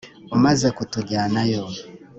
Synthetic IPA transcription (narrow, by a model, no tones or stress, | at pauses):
umazakutuɟaːnajɔ